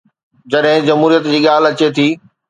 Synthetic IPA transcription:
d͡ʑɐɗɦɪ̃d͡ʑɐmɦuːɾijət̪d͡ʑiːɠaːlɐt͡ɕet̪ʰiː

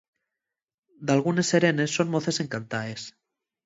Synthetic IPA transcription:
d̪alɣ̞une̞se̞ɾe̞ne̞sːo̞nmo̞θe̞se̞ŋkant̪aes

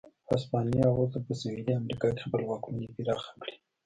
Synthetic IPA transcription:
ɑspɑniaɣot̪apəsueliamɾikɑiexpəlwɑkunepiɾɑxḁkɽi̥

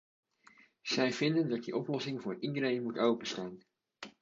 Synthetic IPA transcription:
z̥ɛjv̥ɪndəndɑt̚diʔɔplɔsɪŋvʊːridəɾejnmutowpənstaːn

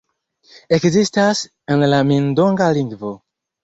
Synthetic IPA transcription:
ekzistas | enlamindoŋɡaliŋɡvo̞

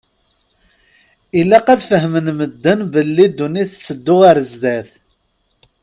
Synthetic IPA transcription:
ilːæqæðfəɦmənməd̪ːənbəlːid̪ːuniθt͡sːəd̪ːʊʁaɾəzd̪æθ

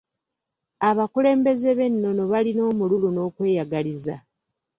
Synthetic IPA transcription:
aβakule̞ːmbe̞ze̞βe̞nːo̞no̞βalino̞ːmululuno̞ːkwe̞ːjaɡaliza

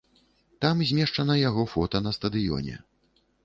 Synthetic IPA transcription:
t̪amzʲmʲɛʂt͡ʂɐnɐjaɣɔfɔt̪ɐnɐst̪ɐd̪ɨjɔ̰nʲɛ̰

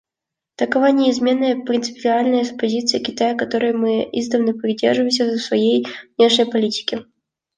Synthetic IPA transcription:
t̪əkɐvanʲɪːzmʲe̞nːəjəpɾʲɪnt̪sɨ̥pʲɪalʲnəjəpɐzʲit̪sɨjəkʲɪt̪ajəkɐt̪o̞ɾɨjəmɨḭzd̪əvnəpɾʲɪdʲerʐɨvəɪmsʲəzəsvɐjejvnʲe̞ʂnʲəjpɐlʲitʲɪ̥kʲɪ

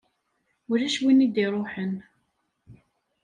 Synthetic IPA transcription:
ʊɾæʃwinid̪iɾˤoħən

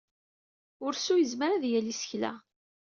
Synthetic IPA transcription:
ʊɾsujəzməɾæðjælisə̥çlæ̰

